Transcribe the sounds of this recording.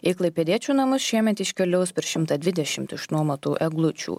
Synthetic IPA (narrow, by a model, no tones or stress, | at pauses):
ɪklˠɐɪpʲɛd̪ʲiɛt͡ʃʲuːnɐmʊsʃʲiɛmʲɛt̪ɪʃʲkʲɛlʲɛʊspʲɛɾʃʲɪmt̪ɐd̪ʋʲɪd̪ʲɛʃʲɪmt̪ɪʃnuɔmɐt̪uːʔɛɡlˠʊt͡ʃʲṵː